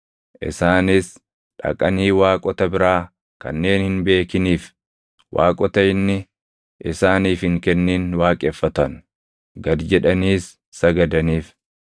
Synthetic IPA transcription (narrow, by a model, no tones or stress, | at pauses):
ʔɪ̰saːnɪs | ᶑɐ̰kʼɐniːwaːkʼɔt̪ɐbɪɾaː | kɐ̰nːe̞ːnhɪnbe̞ːkɪniːf | wa̰ːkʼɔt̪ɐɪnːɪ | ʔɪsaːniːfhɪŋkɛnːeːnwaːkʼɛːfːɐt̪ɐn | ɡɐd̪d͡ʒɛᶑɐniːsː | ɐɡɐd̪ɐniːf